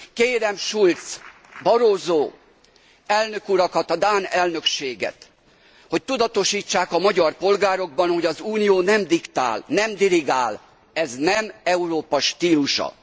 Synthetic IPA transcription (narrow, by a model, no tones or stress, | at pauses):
keːɾɛmʃult̪s | bɒɾoːzoː | ɛlnø̞kuɾɒkɒt̪ɒd̪aːnɛlnø̞kʃeːɡɛ̰t̪ | ho̞c̚t̪ud̪ɒt̪o̞ʃiːt͡ʃːaːkɒmɒɟɒrpo̞lɡaːɾo̞ɡ̚bɒnho̞ɟɒzuːnijoːnɛmd̪ikt̪a̰ːlnɛmd̪iliɡaːl | ɛznɛmɛuɾoːpɒʃt̪iːluʃɒ̰